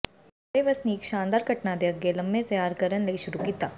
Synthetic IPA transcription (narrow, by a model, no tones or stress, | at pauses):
ɐɽeʋɐsnikʃãːnd̪aːɾɡʱɐʈnad̪eɐɡelɐmbẽt̪ɐjaːɾkɐɾənlɐiʃʊɾukiːt̪aː